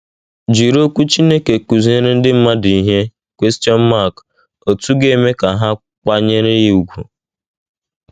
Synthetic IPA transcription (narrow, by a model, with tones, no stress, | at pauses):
d͡ʒi˨ɾo˦kʷu˦t͡ʃi˦ne˦ke˨ku˨zi˦e˦ɾe˦n̩˦dɪ˦m̩˦ma˦di˨ɦe˦ | kʷe˦sti˦ɔ˦n̩˦ma˦˨k | o˨tu˦ɡe˦me˦ka˨ɦa˦ | kk͡pa˦ɲe˦ɾe˦ji˦u˨ɡʷṵ˨